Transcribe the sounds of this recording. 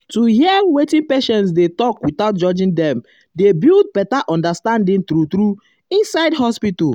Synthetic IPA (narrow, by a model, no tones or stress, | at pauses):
tuɦiɛwetĩnpeʃɛ̃ns̬detɔkwitaʊt̚d͡ʒɔd͡ʒĩndɛ̃m | debild̚bɛtaʔɔ̃ndastãndĩntɾutɾu | ĩnsaɪdɦɔspitu